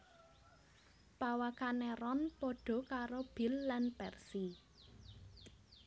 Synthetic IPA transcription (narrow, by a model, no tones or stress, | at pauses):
pawakanɛɾɔnpɔɖ̥ɔ̤kaɾob̥i̤lːanpɛrsi